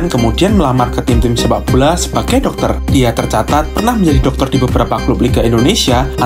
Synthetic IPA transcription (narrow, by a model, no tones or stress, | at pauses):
nkəmudianməlamarkət̪ɪŋt̪ɪmsəbabulasə̥baɡ̥ajdɔk̚t̪ərd̥iat̪ərt͡ʃat̪at̪̚pərnahməɲd͡ʒadidɔk̚t̪ɔrdibəbəɾapaklʊp̚liɡaindonesiaʔa